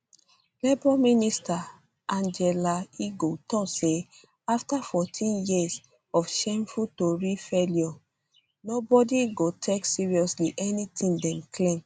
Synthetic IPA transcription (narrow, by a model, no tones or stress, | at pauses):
lebɹɔminista | ʔãnd͡ʒɛlaiɡotɔkse | aftafɔtʰĩnjiz | ɔfʃɛ̃mfutoɹifɛljɔ | nobɔdiɡotʰɛksiɹiɔsliʔɛnitʰĩndɛ̃mkʰlẽm